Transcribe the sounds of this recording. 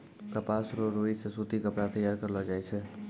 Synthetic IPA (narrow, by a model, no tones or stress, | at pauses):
p̪ɾəpasɾoɾoisesut̪ikəpɽat̪əjːaɾkəɾlad͡ʒajt͡ʃʰe